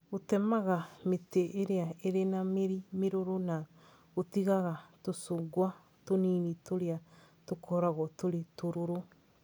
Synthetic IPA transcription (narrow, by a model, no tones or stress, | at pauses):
otɛmaɣameteʔːɾeaeɾenameɾimeɾoɾona | otiɣaɣatosoɡwa | toniːnitoɾea | tokʰɔɾaɣɔtoɾetoɾoɾo